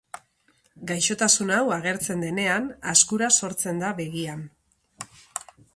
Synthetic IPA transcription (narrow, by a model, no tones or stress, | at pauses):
ɡajʃo̞t̪asunawaɣe̞ɾt͡se̞nd̪e̞ne̞anaskuɾaso̞ɾt͡se̞nd̪aβe̞ɣian